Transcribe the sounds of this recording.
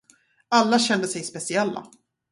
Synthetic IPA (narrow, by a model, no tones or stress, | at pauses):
alːaɕɛnd̪əsɛjspɛsɪɛlːa̰